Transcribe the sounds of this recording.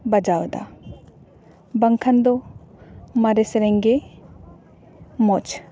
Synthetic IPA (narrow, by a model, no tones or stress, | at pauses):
bɐd͡ʒaːwd̪a̰ | bɐŋkʰɐnd̪o | mɐɾesɾeŋɡe | mot͡ʃ